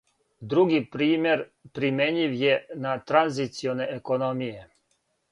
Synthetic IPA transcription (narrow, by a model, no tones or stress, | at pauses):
d̪ɾuɡipɾiːmje̞ɾpɾimeɲiʋjenat̪ɾanzit̪sioneʔekonomije